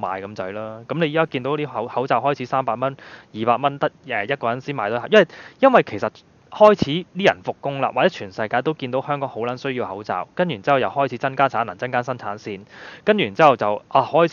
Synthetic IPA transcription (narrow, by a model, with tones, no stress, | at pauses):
ma̰ː˨jkɐ˧˥mt͡sɐ˨˥jlaː˥kɐ˨˥mle˨˧ji˨˥kaː˥kiː˧nt̪o˨˥wt̪iː˥hɐ˨˥whɐ˨˥wt͡saː˨wɦɔː˥˩jt͡sʰiː˨˥saː˥mpaː˧k̚mɐ˥njiː˨˩paː˧k̚mɐ˥nt̪ɐ˥ɛː˨jɐ˥t̚kɔː˧jɐ˨˥nsiː˥nmaː˨t̪oː˥haː˨˩jɐ˥˨˩jɐ˥nwɐ˨˩jkʰe˨˩jsɐ˨t̚ | hɔː˥jt͡sʰiː˨˥t̪iː˥jɐ̰˨˩nfʊ˨kːʊ˥ŋla̰˧˨waː˨k̚ɛ˨˦˥t͡ʃʰyː˨˩nsɐ˧jkaː˧jt̪o˥wkiː˧nt̪o˨˥whœː˥ŋkɔː˨˥ŋho˨˥wlɐ˨˥nsɵ˥ɥjiː˧whɐ˨˥wt͡sa̰ː˨˩wkɐ˥ny˨˩nt͡siː˦˥hɐ˨˩wjɐ˨whɔː˥jt͡sʰiː˨˥t͡sɐ˥nkaː˥nt͡sʰaː˨˥nɐ˨˩t͡sɐ˥nkaː˥nsɐ˥nt͡sʰaː˨˥nsiː˧nkɐ˥njy˨˩˨t͡siː˦˥˨wt͡sɐ˨wʔaː˨˧hɔː˥j